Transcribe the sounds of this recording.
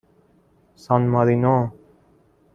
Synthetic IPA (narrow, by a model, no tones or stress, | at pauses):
sanmaðiːnõː